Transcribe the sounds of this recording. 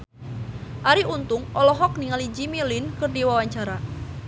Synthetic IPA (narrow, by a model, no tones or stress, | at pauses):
ʔaɾiʔunt̪ʊŋʔɔlɔɦɔk̚niŋalid͡ʒimilɪnkərdiwawaɲt͡ʃaɾa